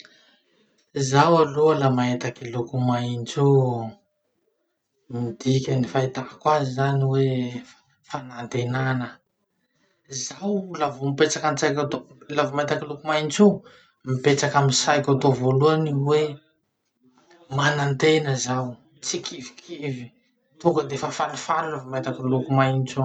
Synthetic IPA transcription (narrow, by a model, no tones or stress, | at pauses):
zawaloalamaet̪akilukumajint͡su | mid̪ikʲanifajt̪akwazizaniwe | fanant̪enanə | zawlavumipet͡sakant͡sajkat̪olavimat̪akilukumajnt͡su | mipet͡sakaminsajkʲat̪ovoluaniwe | manant̪enəzaw | t͡sikivi̥kʰivi | t̪uŋkəd̪efafalufaɾulavimat̪akilukumajnt͡su